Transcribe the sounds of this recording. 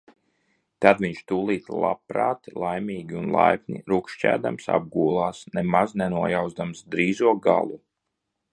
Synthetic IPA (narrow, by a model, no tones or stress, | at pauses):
t̪ad̪viɲʃt̪uːlˠiːt̪lˠa̰pɾaːt̪lˠajmʲiːɡʲiunlˠa̰jpnʲḭɾukʃt͡ʃæ̰ːd̪amsa̰b̚ɡuːlˠaːsnemaznɛnuɔjawzd̪amsd̪ɾiːzuɔɡa̰lˠu